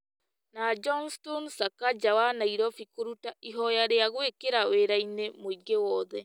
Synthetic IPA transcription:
nad͡ʒɔnstɔnsakad͡ʒawanaiɾɔfikoɾutaiɦɔjaɾeaɣwekeɾaweɾainemoiɡewɔðɛ

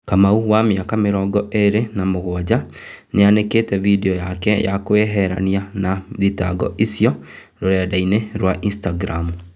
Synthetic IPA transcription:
kamauwameakameɾɔːɡɔʔeɾenamoɣwad͡ʑa | neaneketɛvideɔjakɛja̰kweɦɛɾa̰nianaðita̰ɡɔ̰ʔisjɔ | ɾoɾɛdaineɾwaʔinstaɡɾamu

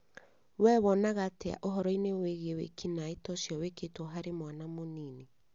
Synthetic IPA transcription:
wɛβɔnaɣatea̰ʔoɦɔɾɔineweɣewḛkinaetɔsjɔweketwɔɦaɾemwanamoniːne

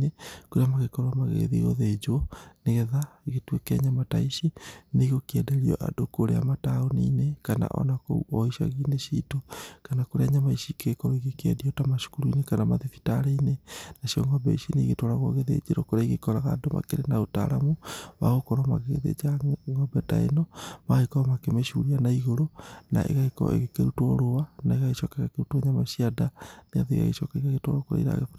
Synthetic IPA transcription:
ekoɾeamaɣekɔɾwamaɣḛðiɣo̰ðed͡ʒoɔneɣɛðaeɣetwekeɲamataiʃineɣokiɛdeɾiɔ̰ʔa̰dokoɾea̰mataonḭnekana̰ʔɔ̰nako̰ɔiʃa̰ɣiːneʃitokanakoɾeaɲamaiʃikekɔɾoiɣekɛdiɔtamaʃu̥kuɾuinekanamaðefi̥taɾeinenaʃiɔ̰ŋɡɔbɛ̰ʃineiɣetoɾaɣwoɣeðḛd͡ʒeɾokoɾaiɣekɔɾaɣadoma̰keɾenaota̰ɾamuβa̰ɣokɔɾoma̰ɣeɣ̰ðḛd͡ʒaŋɡɔbɛta̰ḛnɔmaɣekɔɾɔmakemeʃuɾianaiɣoɾona̰ʔḛɣaekɔ̰ḛɣekeɾutwoɾoanaeɣaɣeʃɔkaɣekeɾutwoɲamaʃiadanea̰ðḛɣa̰ɣḛʃɔkaiɣaɣetwo̰ɾokoɾḛiɾa̰ɣef

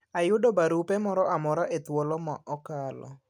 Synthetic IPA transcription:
ajʊdɔbaɾupɛmɔɾɔamɔɾaʔet̪wɔlɔma̰ʔɔkalɔ̰

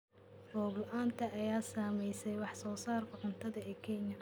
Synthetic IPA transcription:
rɔːɡʊʔaːnt̪ʰɐʔɐjaːsaːmɛjsɛjwɑħsɔːsaːrkʰɐʕʊnt̪ʰɐðɐɛːkʰɛnɐ

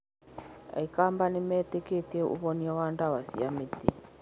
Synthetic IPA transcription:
a̰ikambanimɛtɛketieʔṵβɔniɔwandawasḭamiti

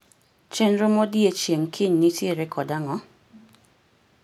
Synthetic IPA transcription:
t͡ʃɛnɾomɔdjet͡ʃjeŋkʰɪɲnitjeɾɛkʰɔdaŋɔ

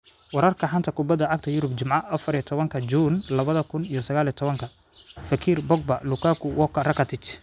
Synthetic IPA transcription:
wɑɾɐrkʰɐħɐnt̪ʰɐkʰʊbɐd̪ːɐʕɑɡ̚t̪ʰɐjʊɾʊbt͡ʃɪmʕɑʔɐfɐɾijɐt̪ʰɔβɐŋkʰɐd͡ʒuːnlɐβɐðɐkʰʊnijɔsɐɣaːlijt̪ʰɔβɐŋkʰɐ | fɐkʰiːrbɔɡ̚bɐlʊkʰaːkʰʊwɔkʰɐrɐkɐt̪ʰɪt͡ʃ

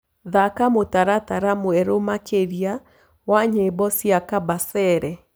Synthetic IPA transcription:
ðakamotaɾataɾamoɛɾomakeɾia | waɲebɔsiakabasɛɾɛ

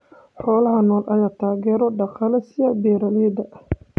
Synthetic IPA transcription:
ħɔːlɐɦɐnɔːlʔɐjaːt̪ʰaːɣɛːɾɔɖɑqɑlɐsɪjɐbɛːɾalɛd̪ɐʔ

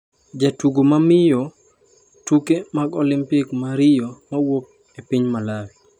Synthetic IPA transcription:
d͡ʒatuɡomamɪjɔ | tukemaɡɔlɪmpɪkmaɾɪjɔmawok̚ | epɪɲmalawi

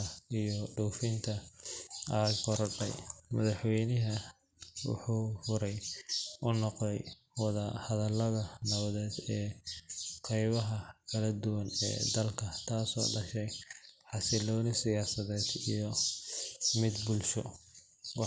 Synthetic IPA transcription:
ɐijɔɖɔːfɪnt̪ʰɐʔɐɡɔɾɔɖɛ̰jmɐðɐħwɛjnɪɦɐ | wʊ̰ħuːfʊɾɛjʔʊnːɔqdɛj | wɑðɐhɐðɐlːɐðɐnɐβɐðɛːd̪ɛː | qʰɛjβɐɦɐkʰɐlɐd̪ʊwɐnɛ̰ːd̪ɐlkʰɐt̪ʰaːsɔ̰ːɖɐʃɛjħɑsɪlɔːnɪsɪjaːsɐðɛːd̪ijɔ | mɪd̪bʊlʃɔ | wɑ

